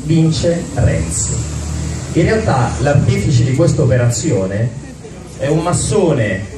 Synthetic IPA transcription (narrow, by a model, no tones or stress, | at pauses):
vint͡ʃerɛ̰ns | inrːealt̪alart̪iːfit͡ʃed̪ikwest̪aopeɾat̪sːjoːne | ɛumːasːoːne